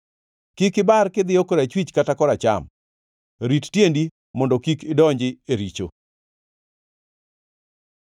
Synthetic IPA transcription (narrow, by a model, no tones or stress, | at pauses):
kikɪbarkɪd̪ɪjokɔɾat͡ʃwit͡ʃkatakɔɾat͡ʃa̰m | ɾittjendi | mɔndɔkikɪdɔɲd͡ʒɪeɾit͡ʃo̰